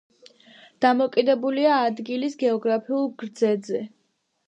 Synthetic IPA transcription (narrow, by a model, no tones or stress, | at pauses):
d̪̥amɔkʼid̪ɛbuliaːd̪ɡilisɡɛɔɡɾapʰiulˠɡɾd̪zɛd̪zɛ